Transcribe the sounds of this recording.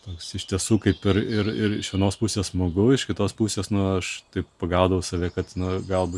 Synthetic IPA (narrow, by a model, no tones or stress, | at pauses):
t̪oːksɪʃʲt̪ʲiɛsuːkɐɪpɪɾɪɾɪɾɪ̰ʃʋʲɛnoːspʊsʲeːsmoɡʊɪʃkʲɪt̪oːspusʲeːsnʊɐʃt̪ɐɪppɐɡɑʊd̪ɐʋɐʊsɐʋʲæːkɐt̪nʊɡɐlˠbu